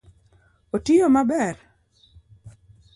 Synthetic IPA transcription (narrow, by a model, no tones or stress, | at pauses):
otɪjomabɛɾ